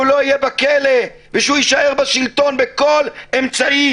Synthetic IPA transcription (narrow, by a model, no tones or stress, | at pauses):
ulo̞ijebakele | veʃuiʃaeʁbaʃilt̪o̞nbeko̞lemt͡saʔi